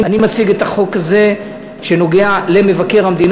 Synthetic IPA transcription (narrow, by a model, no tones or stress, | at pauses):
animat͡siɡetaχo̞kaze | ʃe̞no̞ɡeale̞me̞vake̞ʁhamd̪in